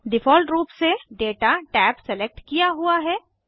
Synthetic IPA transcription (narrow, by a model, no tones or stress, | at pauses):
ɖɪfɔːlʈɾuːpseɖeːʈaʈɛːpsɛlek̚ʈkijaɦuaɦɛː